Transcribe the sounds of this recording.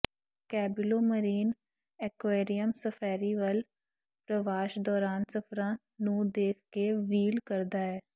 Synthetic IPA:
kɛːbɪloːməɾiːn | ɛkweːɾijəmsəpʰɛːɾiːʋəl | pɾəʋaːʃd̪ɔːɾaːnsəpʰɾãː | nũːd̪eːkʰkeːʋiːlkəɾd̪aːɛː

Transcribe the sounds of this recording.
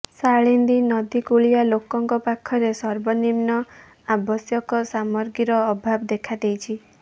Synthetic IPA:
saɭind̪inɔd̪ikuɭijalokɔŋkɔpakʰɔɾesɔɾbɔnimnɔ | abɔsjɔkɔsamɔɾɡiɾɔːbʱabɔd̪ekʰad̪ejt͡ʃʰi

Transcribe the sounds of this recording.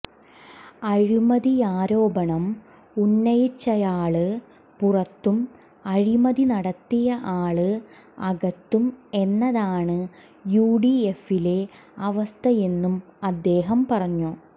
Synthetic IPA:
ɐɻimɐðiaːɾo̞ːbɐɳɐm | unːɐjit͡ɕːɐjaːɭɨ | purɐt̪ːum | ɐɻimɐðinɐɽɐt̪ːijɐʔaːɭɨ | ɐɣɐt̪ːume̞nːɐðaːɳɨ | juːɖiefile̞ | ɐʋɐst̪ʰɐje̞nːumɐd̪ːe̞ːɦɐmpɐrɐɲːu

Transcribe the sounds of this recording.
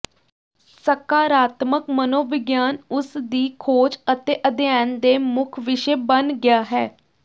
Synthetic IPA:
səkaːɾaːt̪məkmənoːʋɪɡjaːnʊsd̪iːkʰoːd͡ʒət̪eːʔəd̪jaːnd̪eːmʊkʰʋɪʃeːbənɡɪjaːɦɛː

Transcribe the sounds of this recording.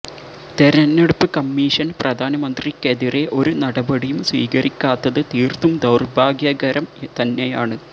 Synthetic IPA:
t̪eɾɐnːeɽupːɨkɐmːiːʂɐnprɐd̪ʱaːnɐmɐnd̪rikeðire̞ʔo̞ɾunɐɽɐbɐɽijumswḭːɣɐrikʲːaːt̪ːɐðɨt̪iːrt̪umd̪ɐwrbʱaːɡjɐːɡɐɾɐmt̪ɐnːe̞jaːɳɨ

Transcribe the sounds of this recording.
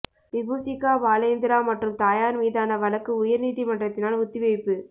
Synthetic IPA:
ʋɪbuːsɪkːaːʋaːlɐjnd̪ɪɾaːmɐʈrɯmt̪aːjaːɾmiːðaːnɐʋɐlɐkːɯʊjɐɾniːðimɐɳɖrɐt̪ːɪnaːlʊt̪ːɪʋɐɪpːɯ

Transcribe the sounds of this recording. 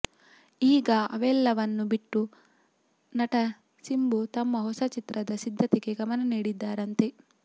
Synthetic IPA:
iːɡɐɐʋɛlːɐʋɐnːubiʈːu | nɐʈɐ | simbut̪ɐmːɐɦɔsɐt͡ʃit̪ɾɐd̪ɐsid̪ʱːɐt̪eɡeɡɐmɐnɐniːɽid̪ːaːɾɐnt̪e

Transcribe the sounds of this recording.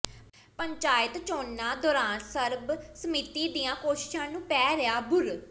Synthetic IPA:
pəɲt͡ʃaːjət̪t͡ʃoːnːãːd̪ɔːɾaːnsəɾbsəmiːt̪iːd̪ijãːkoːʃɪ̥ʃãːnũːpɛːɾeaːbʊɾ

